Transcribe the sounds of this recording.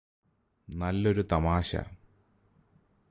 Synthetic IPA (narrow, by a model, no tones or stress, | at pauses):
nɐlːo̞ɾut̪ɐmaːɕɐ̰